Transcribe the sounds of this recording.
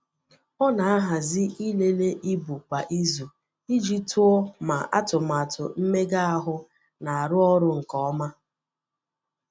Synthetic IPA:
ɔ˦na˨a˦ɦa˨zɪ˦i˦le˦le˦ʔi˦bu˨kʷa˨ʔi˦zu˨ | i˦d͡ʒi˦tu˦ɔ˦ma˨ʔa̰˦tʊ˨ma˨tʊ̰˨m̩˦me˦ɡa˦a˦ɦʊ˦ | na˨a˨ɾʊ˦ɔ˦ɾʊ˦ŋ̩˨kɔ˨ɔ˦ma˦

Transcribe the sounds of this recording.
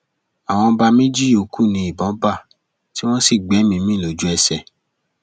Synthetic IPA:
a˨w̃ɔ̃˧ba˧mĩ˦d͡ʒi˦o˨˧ku˦˨nĩ˧˦i˨bɔ̃˨˦ba˦˨ | ti˦w̃ɔ̃˦si˦˨ɡ͡bɛ˨˦mĩ˧mĩ˦˨lo˨˦d͡ʒu˦ɛ˧sɛ˨

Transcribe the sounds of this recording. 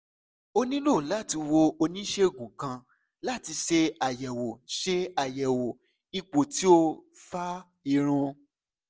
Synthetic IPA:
o˧nĩ˦lo˦˨la˦˨ti˧wo˧o˧nĩ˦ʃe˦ɡũ˨kã˧ | la˦˨ti˧ʃe˧a˨jɛ˨wo˨ʃe˧a˨jɛ˨wo˨ | i˧k͡po˨ti˨˦o˧ | fa˦ | i˨ɾ̃ũ˧

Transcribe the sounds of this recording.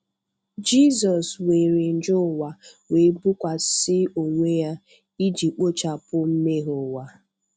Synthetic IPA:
d͡ʒi˦zɔ˨swe˨ɾe˨n̩˨d͡ʒʊ˦˨wa˨we˨˦bu˦kʷa˨sɪ˦o˨ŋʷe˦ja˦ | i˦d͡ʒi˨k͡po˦t͡ʃa˨pʊ˦m̩˦me˦ɦo˨wa˨

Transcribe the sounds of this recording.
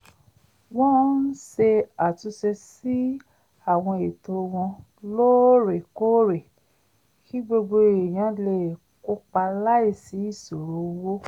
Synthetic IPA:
w̃ɔ̃˦n̩˦se˧a˨tu˧ʃe˧si˦ | a˦˨w̃ɔ̃˧e˨to˧w̃ɔ̃˧ | lo˦ɾe˨ko˦ɾe˨ | ki˦ɡ͡bo˧ɡ͡bo˧˨e˨j̃ã˨˦le˦˨ | ko˦k͡pa˧la˦i˦˨si˨˦i˦˨so˨ɾo˨˦wo˦

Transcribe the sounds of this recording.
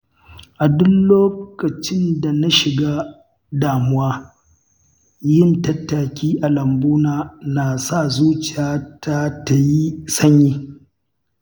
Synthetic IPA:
ʔa˨dʊ˦nloː˦kɐ˨t͡ʃɪ˦nda˨na˦ʃɪ˨ɡaː˦ | daː˨mʊ˦waː˦ | jɪ˦ntɐ˦tːa˨kʲiː˦ʔa˨lɐ˨mbuː˦naː˨naː˨sa˦˨zuː˦t͡ʃɪ˨jaː˦tʰa˦ta˨ji˦sɐ˦ɲjiː˦

